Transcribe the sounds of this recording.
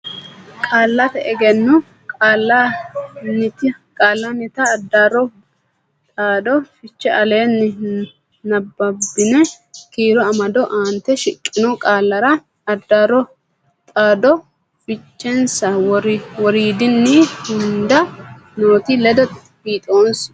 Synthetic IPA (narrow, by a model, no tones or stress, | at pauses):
kʼaːlːɐt̪ɛʔɛɡɛnːʊ | aːlːɐ | nɪt̪kʼaːlːɐnɪt̪ɐːd̪ːaɾɔ | t̪ʼaːd̪ɔfɪt͡ʃːɛʔɐle̞ːnːɪ | nɐbːɐbːɪnɛ | kiːɾɔɐmɐd̪ɔʔaːnt̪ːɛʃɪkʼːɪnɔkʼaːlːɐɾɐ | ɐd̪ːaːɾɔ | t̪ʼaːd̪ɔ | fɪt͡ʃːɛnsɐwɾwɔɾiːd̪ɪnːihʊnd̪ɐ | noːt̪ilɛd̪ɔ | biːt̪ʼo̞ːns